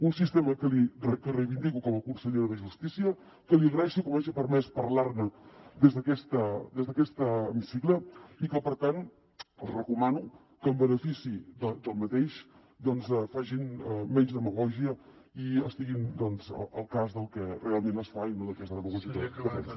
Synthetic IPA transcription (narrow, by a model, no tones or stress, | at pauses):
unsist̪eməkəlirəkərəjβind̪ikukɔməkunsəʎeɾðəʒust̪isiə | kəliəɣɾəɛʃikomaʒipəɾmɛspəɾlaɾnəd̪ezðəkɛst̪əd̪ezðəkɛst̪əːmisikləikəpəɾt̪an | əlˠzrəkumanu | kəːmbənəfisid̪əd̪əlˠmət̪eʃ | d̪ɔnzɛfaʒinɛmɛɲzðəməɣɔʒiə | iəst̪iɣind̪ɔnzə̰əlˠkazðəlˠkɛrealˠmenəsfainəld̪əkɛst̪əðəməɣɔʒiəðkəpɛ̰nsi